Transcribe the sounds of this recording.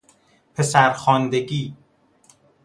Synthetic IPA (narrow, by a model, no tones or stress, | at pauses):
pʰesæɾxɒːnd̪eɡiː